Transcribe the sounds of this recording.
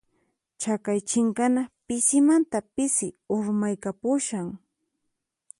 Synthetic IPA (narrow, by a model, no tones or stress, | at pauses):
t͡ʃakajt͡ʃɪŋkanapɪsɪmant̪apɪsɪʊɾmajkapʊʃaŋ